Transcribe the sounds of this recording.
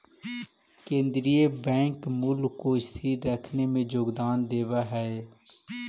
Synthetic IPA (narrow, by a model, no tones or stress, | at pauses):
kẽːnd̪ɾiebɛ̃ːŋkmʊlːoɪst̪ʰiɾəkʰnemẽd͡ʒoːɡd̪aːnd̪eːʋaɦɛe